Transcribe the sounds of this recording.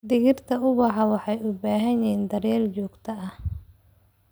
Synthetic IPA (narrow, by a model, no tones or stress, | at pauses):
d̪ɪɣɪrt̪ʰɐʊβɑħɑwɑħɑjʊbaːɦɐjɛːnd̪ɐrjɛːlt͡ʃɔːɡt̪ʰɐɐh